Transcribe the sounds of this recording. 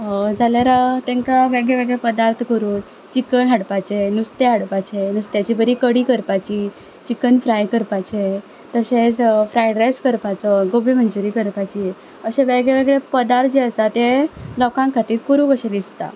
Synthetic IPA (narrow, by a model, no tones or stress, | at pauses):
ɦd͡zʱaljaɾat̪ɛ̃ŋkaʋeɡɭeʋeɡɭepəd̪aɾt̪ʰkəɾuː | t͡ɕikənɦaɽpat͡ɕenust̪eɦaɽpat͡ɕenust̪jat͡ɕibəɾikəɽiːkəɾpat͡ɕi | t͡ɕikənfɾajkəɾpat͡ɕe | t̪əɕet͡sfɾajɖɾajskəɾpat͡sɔɡobimənd͡zuɾiːkəɾpat͡ɕi | əɕẽʋeɡɭeʋeɡɭepəd̪aɾt̪̚d͡ʑeəsat̪elɔkãŋkʰat̪iːɾpuɾuːkəɕeɾd̪ist̪a̰